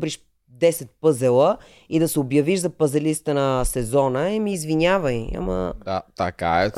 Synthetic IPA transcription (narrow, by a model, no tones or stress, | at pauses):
bɾiʃ | d̪ɛsɛt̪̚pɤzɛlˠə | id̪ɐsɛobjɐviʃzɐpɐzɛlist̪ənɐsɛzɔnəimiːzvinʲavəja̰mə̰at̪ɐka̰ɛ